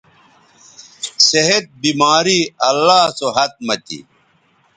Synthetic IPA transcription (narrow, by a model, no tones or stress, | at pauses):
seɦet̪̚bimaːɾiɐlːaːsoɦɐt̪̚mɐt̪ḭ